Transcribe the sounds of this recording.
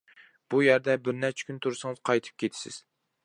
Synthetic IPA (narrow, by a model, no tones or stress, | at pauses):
b̥ujæɾd̪ɛbɪɾnɛt͡ʃʰɛ̥kʲynt̪ʰuɾsɨŋɨz̥qʰɑjt̪ʰɨ̥p̚kʲʰet̪ʰɪ̥sɪ̰z̥